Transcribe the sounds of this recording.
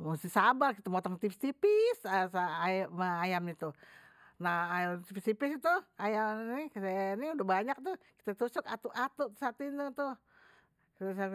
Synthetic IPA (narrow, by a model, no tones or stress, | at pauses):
must̪isabalkit̪amot̪ɔŋt̪ifist̪ipisəsamaajamnit̪u | nahat̪ifist̪ipisit̪uajamnikseniudahbaɲak̚t̪uki̥t̪at̪usʊkat̪uʔat̪ut̪sat̪uint̪ut̪u | sa